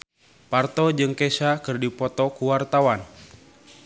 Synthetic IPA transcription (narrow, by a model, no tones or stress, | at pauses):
part̪ɔd͡ʒɨŋkesakɨrdipɔt̪ɔkuwart̪awan